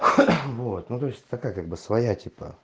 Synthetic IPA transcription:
vot̪nut̪o̞ɪsʲt̪ɐkajəkaɡ̚bɨsvɐjatʲipə̰

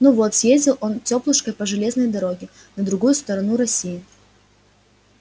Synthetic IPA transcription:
nuvot̪sjezʲdʲɪlˠo̞ntʲoplˠɨʂkəjpəʐɨlʲeznəjd̪ɐɾoɡʲɪ | nəd̪ɾʊɡujʊst̪əɾɐnuɾɐsʲijɪ

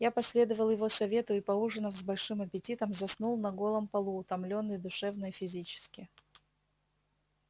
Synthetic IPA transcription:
japɐsʲlʲe̞d̪əvəlˠjɪvo̞sɐvʲe̞t̪ʊɪpɐuʐɨnəfzbɐlʲʂɨmɐpʲɪtʲit̪əmzɐsnulˠnɐɡo̞lˠəmpɐlˠuːt̪ɐmlʲo̞nːɨjd̪ʊʂɛvnəɪfʲɪzʲit͡ɕɪ̥skʲɪ

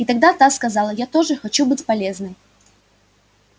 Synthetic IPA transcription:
it̪ɐɡ̚d̪at̪askɐzɑlˠəjat̪o̞ʐɨxɐt͡ɕubɨtʲpɐlʲe̞znɨj

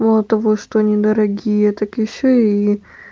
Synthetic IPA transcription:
mɐlˠt̪ɐvoʂt̪oɐnʲid̪əɾɐɡʲijət̪akjɪɕːoi

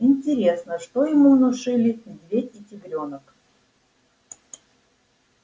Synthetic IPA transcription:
ɪnʲtʲɪɾʲe̞snəʂt̪ojɪmunʊʂɨlʲɪd̪ʲvʲeɪtʲɪɡɾʲonək

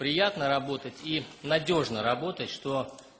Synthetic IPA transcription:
pɾʲɪjat̪nəɾɐbo̞t̪ətʲinɐdʲo̞ʐnəɾɐbo̞t̪ətʲʂt̪o̞

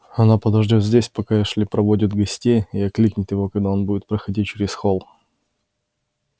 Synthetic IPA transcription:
ɐnapəd̪ɐʐdʲot̪zʲdʲesʲpɐkaɪʂlʲɪpɾɐvodʲɪt̪ɡɐsʲtʲejiɐklʲiknʲɪt̪jɪvo̞kɐɡd̪ao̞nbudʲɪt̪pɾəxɐdʲit͡ɕɪɾʲɪsxolˠ

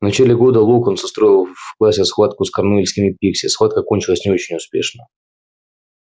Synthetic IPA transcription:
vnɐt͡ɕælʲɪɡo̞d̪əlˠukonsɐst̪ɾo̞jɪlˠfklˠasʲɪsxvat̪̚kʊskɐrnuilʲsʲkʲɪmʲɪpʲiksʲɪsxvˠat̪̚kəko̞nʲt͡ɕɪlˠəsʲnʲɪo̞t͡ɕɪnʲʊspʲḛʂnə

